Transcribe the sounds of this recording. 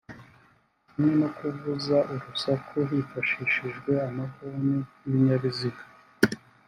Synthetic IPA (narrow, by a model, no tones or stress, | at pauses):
ninokuvuzaʔuɾusakʰuɦifaʃiʃiʒɡwe̞amakuniiβiɲaβizikḁ